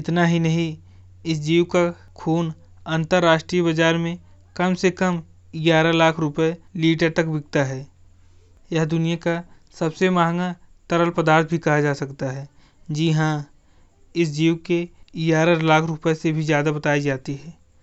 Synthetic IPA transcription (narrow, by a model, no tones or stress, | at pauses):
ɪt̪naɦinɐɦĩ | ɪs̬d͡ʒiːwka | kʰuːn | ə̃nt̪əɾːaːʃʈɾiəbəd͡ʒaːɾmẽ | kɐmsekəm | ɡjaːɾalaːkʰɾʊpəeliːʈəɾt̪ɐkbɪɡ̚t̪aɦɛː | jɐɦd̪ʊnijaka | sɐbsemaːŋɡat̪ɐɾəlpəd̪aːɾt̪̚ʰbʱikɐɦad͡ʒaːsɐkt̪aɦɛː | d͡ʒiɦã | ɪs̬d͡ʒiːwkeɡaːɾalaːkʰɾʊpəesebʱizjaːd̪abɐt̪aːid͡ʒaːt̪iɦɛː